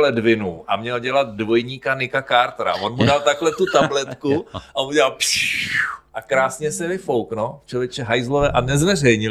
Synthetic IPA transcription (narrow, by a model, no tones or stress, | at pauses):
lɛdvɪnuːʔa̰mɲɛlɟɛlat̪̚dvo̞jɲiːkanɪkakaɾt̪ɾa̰vonmudalt̪aklɛt̪ut̪ablɛt̪kuʔaomuɟɛlalpiʔakɾaːsɲɛsɛvɪfo̞wknot͡ʃovjɛt͡ʃɛɦajzlovɛːʔanɛzvɛr̝ɛjɲɪ